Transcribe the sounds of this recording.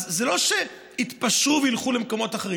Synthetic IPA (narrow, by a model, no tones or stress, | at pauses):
zzelo̞ʃe | it̪paʃuveilχulemko̞mo̞t̪aχeʁi